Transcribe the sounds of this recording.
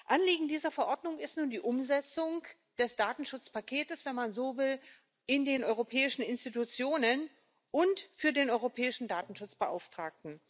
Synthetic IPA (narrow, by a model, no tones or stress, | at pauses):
ʔanliːɡŋ̩diːzɐfɛɐʔɔɐdnʊŋɪstnuːndiːʔʊmzɛt͡sʊŋ | d̥ɛsd̥aːtn̩ʃʊt͡spakʰeːtəsv̥ɛnmanzoːvɪl | ʔɪndeːnʔɔʏʁopʰɛːɪʃn̩ɪnstitut͡sjoːnən | ʔʊntfyːɐdeːnʔɔʏʁopʰɛːɪʃn̩daːtn̩ʃʊt͡sb̥əʔa̰ʊftʁ̥aːk̚tn̩